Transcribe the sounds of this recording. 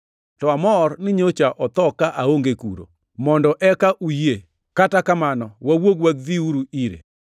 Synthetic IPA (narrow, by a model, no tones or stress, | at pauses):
tɔamɔrnɪɲot͡ʃaʔɔt̪ɔkaʔaoŋɡekṵɾo̰ | mɔndɔʔɛkaʔuje | katakamanɔwawoɡwadiuɾuiɾḛ